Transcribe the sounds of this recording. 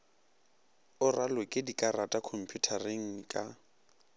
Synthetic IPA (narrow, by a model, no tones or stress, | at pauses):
ʊralekʼɪdikʼaratʼakʰom̩pʰjutʰareŋ̩kʼa